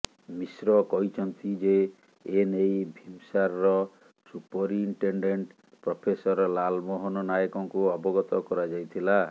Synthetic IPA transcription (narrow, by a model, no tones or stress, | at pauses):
misɾɔkɔɦit͡ʃʰɔnt̪id͡ʒeː | nejbʱimsaɾɔɾɔ | supɔɾiɳʈeɳɖeɳʈ | pɾɔpʰesɔɾɔlalmɔɦɔnɔnajɔkɔŋkuɔbɔɡɔt̪ɔkɔɾad͡ʒajt̪ʰila